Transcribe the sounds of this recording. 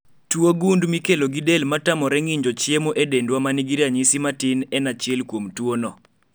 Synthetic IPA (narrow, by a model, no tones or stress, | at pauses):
twoɡundmikeloɡidelmatamɔɾɛŋiɲd͡ʒɔt͡ʃjemoʔedendwamaniɡiɾaɲisimatɪnɛnat͡ʃɪelkwomtwonɔ